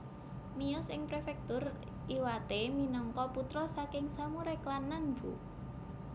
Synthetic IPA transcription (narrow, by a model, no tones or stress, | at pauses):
miʊsɪŋpɾefɛk̚t̪ʊr | iwat̪eminɔŋkɔput̪ɾɔsakɪŋsamuɾeklanːanbṵ